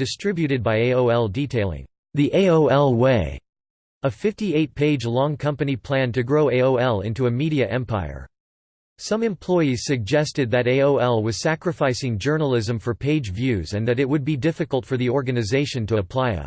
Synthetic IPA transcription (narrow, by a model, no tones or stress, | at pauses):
d̥ɨstɹ̥ɪbjʉɾɨd̚baɪeɪoʊɛlˠditʰeɪlˠɪ̰̃ŋ | ðiʔeɪoʊɛlˠweɪ | əfɪftieɪt̚pʰeɪd͡ʒlɔ̃ŋkʰʌ̃mpɨnipʰl̥æ̃ntɨɡɹoʊeɪoʊɛlˠɪ̃ntuɨmiɾiɨʔɛ̃mpʰa̰ɪə̰˞ | sʌ̃mɨ̃mpʰl̥ɔɪiz̥sɨɡ̚d͡ʒɛstɨd̪̚ðɨɾeɪoʊɛlˠwʌz̥sækɹɨfaɪsɪ̃ŋd͡ʒɜ˞nl̩ˠɪzɨ̃ɱfə˞pʰeɪd͡ʒvjʉzɨ̃nðɨɾɨt̚wɨd̚bidɪfɨkəl̩ˠtfə˞ðiɔɹɡɨnɨzeɪʃɨ̃ntəəpʰl̥aɪə̰